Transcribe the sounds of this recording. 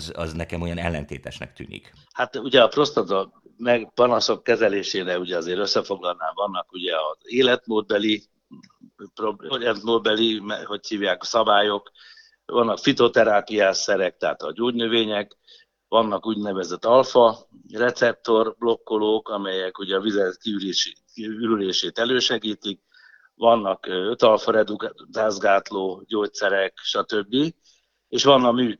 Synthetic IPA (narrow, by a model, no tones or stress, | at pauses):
zɒ̰znɛkɛmojɒnɛlːɛnt̪eːt̪ɛʃnɛ̰kt̪y̰ːnḭk | hat̪uɟɛɒpro̞st̪ɒt̪ɒmɛɡpɒnɒso̞kːɛzɛleːʃeːnɛuɟɛɒzeːɾøsːɛfo̞ɡlɒlna̰ːvɒnːɒkuɟɛɒzeːlɛt̪moːd̪̚bɛli | proboɾɛnt̪moːd̪̚bɛlimho̞chiːvjaːkɒ̥sɒbaːjo̞k | vɒnːɒkfit̪o̞t̪ɛɾaːpijaːsɛɾɛk̚t̪ɛɦa̰ːt̪ɒɟoːɟnøveːɲɛk | ʋɒnːɒkuːɟnɛvɛzɛt̪ːɒlfɒ | rɛt̪sɛp̚t̪o̞rblo̞kːo̞loːkɒmɛjɛkuɟɛːvizɛt̪kiyɾiʃ | yɾyleːʃeːt̪ɛløːʃɛɡiːt̪ik̚ | ʋɒnːɒkøt̪ɒlfɒɾɛd̪ukt̪aːzɡaːt̪loːɟoːt̪sɛɾɛkʃɒt̪øbːi | eːʃʋɒnːɒmyː